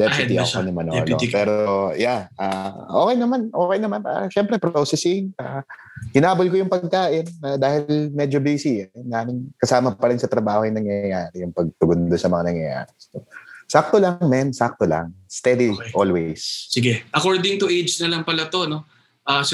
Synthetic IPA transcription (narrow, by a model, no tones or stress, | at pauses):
d̪ɛpt̪iʔɐɐnɐmɐnɐ̰lo̰pɛːɾojaʔaʔoːkɛjnɐmanʔo̞ːkɛjnɐmana̰ʃɛmpɾɛpɾoːsɛsɪŋʔa | hɪnaːbolkojʊŋpɐɡ̚kaːʔɪnad̪aːhɪlmɛd͡ʒobiːsinɡaːnɪŋkɐsaːmɐpɐɾɪnsɐt̪ɾɐbaːhojʊŋnɐŋjɐjaːɾɛjʊŋpɐɡ̚t̪ʊɡond̪onsɐmɐŋanɐŋjɐ̰ja̰ːɾɛst̪osak̚t̪olaŋmɛmsak̚t̪ola̰ŋst̪ɛd̪iʔolwɛjssɪɡɛʔɐkoɹd̪ɪŋt̪ʊʔejd͡ʒnɐlɐŋpɐlat̪o̞no̞ | ʔas